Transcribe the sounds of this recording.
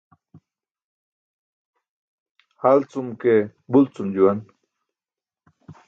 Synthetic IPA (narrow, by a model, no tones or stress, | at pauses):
halt͡sumkebult͡sumd͡ʑuwan